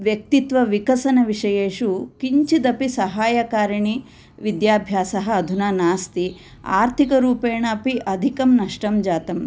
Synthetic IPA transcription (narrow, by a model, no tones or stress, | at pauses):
ʋjɐk̚t̪it̪ʋɐʋikɐsɐnɐʋiʂɐjeːʂukiɲt͡ʃid̪ɐpisɐɦaːjɐkaːɾɐɳi | ʋid̪jaːbʱjaːsɐɦɐːd̪ʱunaːnaːst̪i | a̰ːɾt̪ʰikɐɾuːpeːɳɐːpiʔɐd̪ʱikɐmnɐʂʈɐmd͡ʒaːt̪ɐm